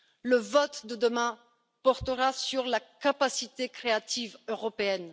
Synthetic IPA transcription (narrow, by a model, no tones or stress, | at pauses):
ləvɔt̪d̪əd̪əmɛ̃ | pɔʁt̪əʁasyʁlakapasit̪ekχeat̪ivøʁɔpeɛn